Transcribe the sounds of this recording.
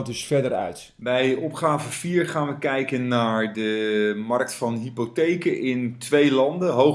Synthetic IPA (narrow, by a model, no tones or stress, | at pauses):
dəsfɛdəɾœ̰ɥt | bɛjɔpχaːvəfiːɹχaːnʋəkɛjkənːaːɹdəmɑrk̚tfɑnɦipotejkəʔɪntʋejlɑndəɦow